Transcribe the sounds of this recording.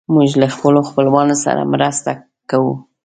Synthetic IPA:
muʒlaxpəloxpəlwɑnosa̰ɾa̰mɾast̪a | kawu

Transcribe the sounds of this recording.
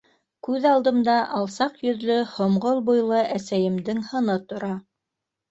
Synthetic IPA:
kʉðɑlˠd̪ɤ̆md̪ɑʔɑlˠsɑqjɵ̆ðlɵhŏmʁolˠbujlˠɤʔæsæjɘ̆md̪ɘŋhɤ̆nɤt̪ŏɾɑ

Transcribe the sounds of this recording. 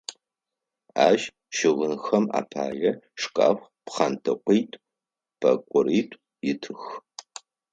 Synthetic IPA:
a̰ːʒ | ʃɪʁənxɐma̰ːpʰa̰ːjɐʂkʼa̰ːxʷ | pχaːntʰɨqʷʼijtʼ | b̥ʰɐ̰kʷʼʊɾiːtʷʼ | jɪtʰɨx

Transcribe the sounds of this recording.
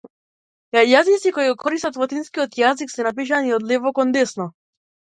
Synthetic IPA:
ajazisikɔiɡɔkʰɔɾist̪at̪vɔt̪inskijɔt̪jaziksɛnap̬iʃ̬aniɔd̪lɛvɔkɔnd̪ɛsnɔ

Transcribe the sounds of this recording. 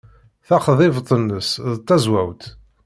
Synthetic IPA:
θɑχðˤɪvt̪ˤːənːəsðət̪ˤːæzwæwt̪

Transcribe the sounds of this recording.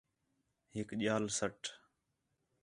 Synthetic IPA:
ɦɪkʄaːlsəʈʰ

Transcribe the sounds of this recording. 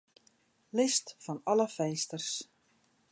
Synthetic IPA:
lɪstfɔnɔləfɛjstərs

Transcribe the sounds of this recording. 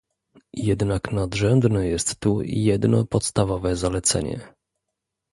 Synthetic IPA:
jɛd̪naknad̪ʐɛmbnɛjɛst̪ːujɛd̪nɔpɔt̪st̪avɔvɛzalɛt̪sɛ̰ɲɛ̰

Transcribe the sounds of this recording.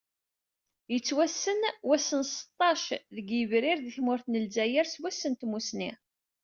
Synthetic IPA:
jət͡sːwæsːənwæsːənsə̥t̪ˤːɑʃðəɡjəvɾɪɾðiθmʊɾθnəlzæjæɾswæsːənt̪musni

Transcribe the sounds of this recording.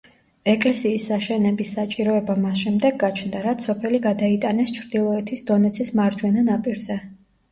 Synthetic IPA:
ɛkʼlɛsiːsːaʃɛnɛbisːat͡ʃʼiɾɔɛbamasʃɛmd̪ɛɡːat͡ʃʰnd̪aɾat̪sɔpʰɛliɡad̪ait̪ʼanɛst͡ʃʰɾd̪ilˠɔɛt̪ʰisd̪ɔnɛt̪sʰismaɾd͡ʒwɛnanapʼiɾzɛ

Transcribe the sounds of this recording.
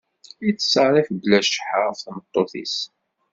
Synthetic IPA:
it͡sːə̥səɾˤɪfblæʃħəʁfθmət̪ˤːoθḭs

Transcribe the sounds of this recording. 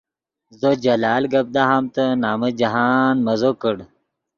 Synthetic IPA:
zod͡ʑɐlaːlɡɐb̚d̪aɦamt̪ənaːməd͡ʑɐɦaːnmɐzokəɽ

